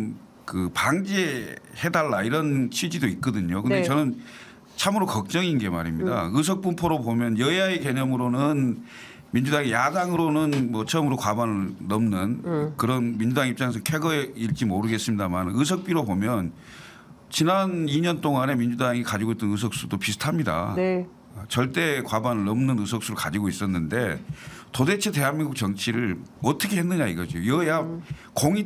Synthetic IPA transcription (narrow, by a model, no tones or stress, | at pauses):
kɯpaŋd͡ʑiehe̞daɭːaiɾʌnt͡ɕʰid͡ʑidoit̚k͈ʌdɯɲokɯnde̞t͡ɕʌnɯn | t͡ɕʰamɯɾokʌk̚t͡ɕ͈ʌŋinɡe̞ma̰ɾimɲida̰ɯs̬ʰʌk̚p͈umpʰoɾobomjʌnjʌiaeke̞ɲʌmɯɾonɯn | mind͡ʑudaŋejadaŋɯɾonɯnmʌt͡ɕʰʌmɯɾokwabanɯɭnʌmnɯnkɯɾʌnmind͡ʑudaŋip̚t͡ɕ͈aŋe̞s̬ʰʌkʰe̞ɡʌeiɭt͡ɕ͈imoɾɯɡe̞s͈ɯmɲidamanɯs̬ʰʌk̚p͈iɾobomjʌn | t͡ɕinaniɲʌnt͈oŋane̞mind͡ʑudaŋikad͡ʑiɡoit͈ʌnɯs̬ʰʌk̚s͈udopisʰɯ̥tʰamɲida̰ | t͡ɕʌɭt͈e̞kwabanɯɭnʌmnɯnɯs̬ʰʌk̚s͈uɾɯɭkad͡ʑiɡois͈ʌnːɯnde̞tode̞t͡ɕʰite̞ɦanmiŋɡuk̚t͡ɕʌŋt͡ɕʰiɾɯɭʌt͈ʰʌkʰe̞ɦenːɯɲaiɡʌd͡ʑiojʌja | koŋi